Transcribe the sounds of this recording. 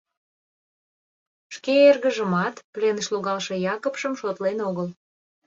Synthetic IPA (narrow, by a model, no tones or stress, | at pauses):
ʃkeerɣəʒəmɑt̪plenəʃloɣɑlʃejɑkəpʃəmʃot̪lenoɣəl